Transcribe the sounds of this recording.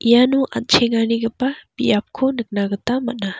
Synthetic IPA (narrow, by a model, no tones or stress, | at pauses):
ʔijanuʔa̰t̚t͡ʃʰeŋaniɡəpabiap̚kʰonək̚naɡət̪amana